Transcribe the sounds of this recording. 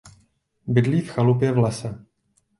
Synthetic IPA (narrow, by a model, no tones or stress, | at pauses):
bɪdliːfxalupjɛvlɛsɛ